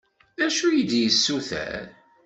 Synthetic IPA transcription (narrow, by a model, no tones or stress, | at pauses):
æʃujəd̪jəsːuθæ̰ɾ